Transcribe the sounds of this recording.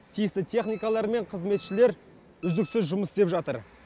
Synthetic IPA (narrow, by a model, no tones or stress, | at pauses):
t̪ʰijɪst̪ɪt̪ʰe̞χnijkalˠɑɾme̞ɴqʰəzme̞t̪ʃɪle̞ɾ | ʏzd̪ɪksɪzʒʊməsɪst̪e̞pʒɑt̪əɾ